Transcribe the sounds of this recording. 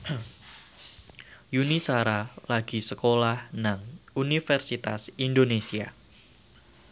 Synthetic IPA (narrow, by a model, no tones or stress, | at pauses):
junisaɾalaɡisəkolahnaŋunifərsit̪a̰sindonesia̰